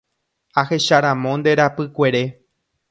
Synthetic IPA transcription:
ahe̞ʃaɾãmõ̞nd̪e̞ɾapɨkʷe̞ɾe̞

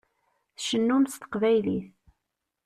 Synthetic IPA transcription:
θʃənːumst̪ə̥qvæjliθ

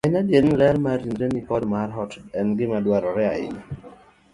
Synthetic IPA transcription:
aɪɲadjenlɛrmaɾinɾenikɔdmarɦɔtɛnɡɪmadwaɾɔɾɛa̰ɪ̰na

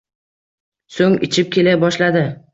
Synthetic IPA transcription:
soŋɪt͡ʃʰɪp̚kʲʰe̞labɒʃlad̪ɪ

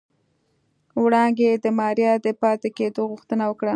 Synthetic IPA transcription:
wɽɑŋɡed̪əmɑɾjɑd̪əpɑt̪eked̪oɣʊxt̪ənawəkɽa

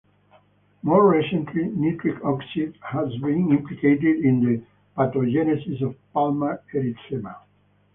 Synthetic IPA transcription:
moɹːisə̃ntʰlimit̪ʰɾikʰɔksidhazbĩnĩmpliket̪id̪ĩnd̪ə | pat̪od͡ʒɛnɛsisɔvpalmaeɾit̪sema

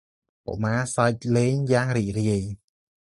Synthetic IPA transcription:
po̰ʔmaːsac̚leːɲjaːŋriːc̚riəj

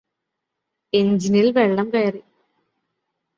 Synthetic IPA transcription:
eɲd͡ʑinilʋeɭːɐmkeːri

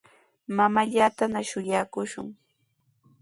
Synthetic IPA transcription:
mamaʎaːt̪anaʃʊjaːkʊʃʊ̰ŋ

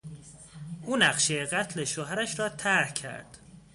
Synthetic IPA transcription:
ʔuːnæɢʃejeɢæt̪ʰleʃoːɦæɾæʃɾɒːt̪ʰæɾhcʰæ̰ɾd̪̥

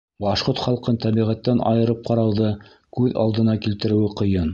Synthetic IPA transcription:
bɑʃqoɾt̪χɑlˠqɤnt̪æβiʁæt̪ːænʔɑ̰jɤ̆ɾɤp̚qɑɾɑwðɤ | kʉðɑ̰lˠd̪ɤ̆nɑkilt̪ɘ̆ɾɘ̆wɘqɤ̆jɤn

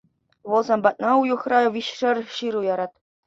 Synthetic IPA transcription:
ʋɤ̆lˠzɑmbɑt̪̚nɑujuχrɑʋʲiɕʂɘ̆rʲɕiɾujɑɾɑt̪̚

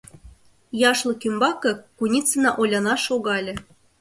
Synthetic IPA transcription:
jɑʃlˠɤ̆kymbɑkɤ̆kunʲit͡sɤ̆nɑʔolʲɑnɑʃoɣɑlʲɤ̆

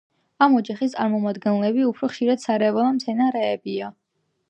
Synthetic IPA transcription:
amɔd͡ʒaχist̪sʼaɾmɔmad̪ɡɛnlɛbiupʰɾɔχʃiɾad̪̥saɾɛvɛlˠamt̪sʰɛnaɾɛɛbia

